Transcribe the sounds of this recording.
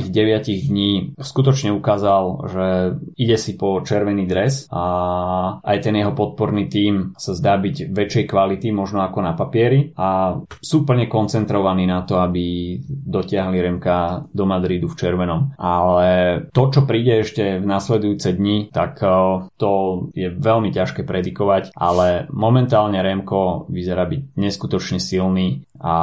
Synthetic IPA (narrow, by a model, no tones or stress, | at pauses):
iɣɟɛʋɪaciɣd̪ɲiːskut̪ɔt͡ʃɲɛukaːzalʒɛiɟɛsipɔt͡ʃɛɾʋɛniːd̪ɾɛsa | ajt̪ɛnjɛɦɔpɔt̪̚pɔɾniːt̪iːmsazd̪aːbiɟʋɛt͡ʃɛjkʋalit̪imɔʒnɔakɔnapapɪɛɾia | suːpl̩ɲɛkɔnt͡sɛnt̪ɾɔʋaniːnat̪ɔabid̪ɔcɪaɦliɾɛmkad̪ɔmad̪ɾid̪uft͡ʃɛɾʋɛnɔmʔalɛt̪ɔt͡ʃɔpɾiːɟɛɛʃcɛvnaslɛd̪ujut͡sɛd̪ɲit̪akt̪ɔjɛʋɛlmicaʃkɛːpɾɛd̪ikɔʋacʔa̰lɛmɔmɛnt̪aːlɲɛɾɛmkɔʋizɛɾaːbiɟɲɛskut̪ɔt͡ʃɲɛsilniː | a